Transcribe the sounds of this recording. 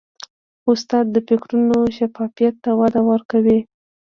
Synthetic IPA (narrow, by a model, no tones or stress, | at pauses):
ʊst̪ɑd̪̚ːəpɪkɾunoʃafɑfijat̪ːawad̪awəɾkawi